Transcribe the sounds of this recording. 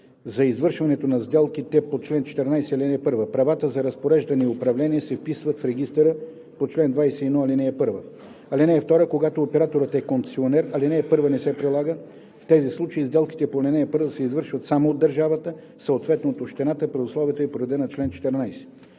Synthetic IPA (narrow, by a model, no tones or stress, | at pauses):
zɐizvɤɾʃvɐnɛt̪onɐzd̪ɛlˠk̟it̪ɛpot͡ʃlɛnt͡ʃɛ̥t̪ɛɾnajsɛɐlʲinɛɛpɤɾvəpɾɐvat̪əzɐɾɐspoɾɛʒd̪ɐnɛiʊpɾɐvlɛniɛsɛfpisvɐt̪fɾɛɡist̪əɾə | pot͡ʃlɛnd̪vajsɛiɛd̪nɔɐlinɛːpɤɾvə | ɐlinɛːft̪ɔɾəkoɡat̪oːpɛɾat̪oɾət̪ɛkont̪sionɛɾɐlinɛːpɤɾvənɛsɛpɾilˠaɡə | ft̪ɛzislˠut͡ʃəizd̪ɛlˠki̥t̪ɛpolɛnɛːpɤɾvəsɛizvɤɾʃvət̪samood̪ːəɾʒavət̪ə | səot̪vɛt̪not̪oʃt̪ɛnat̪əpɾɛʊslˠɔvʲijət̪əɛpoɾɛd̪ɛnɐt͡ʃlɛnt͡ʃɛ̥t̪ɛɾnajsɛ̥